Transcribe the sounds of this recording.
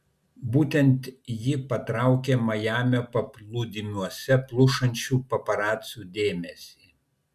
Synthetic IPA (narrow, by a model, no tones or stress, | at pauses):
buːt̪ʲɛnt̪jɪpɐt̪ɾɑˑʊkʲeːmɐjæːmʲoːpɐplˠud̪ʲɪmʲuɔsʲɛplˠʊʃɐnʲt͡ʃʲuːpɐpɐɾɑːt̪sʲuːd̪ʲeːmʲɛsʲiː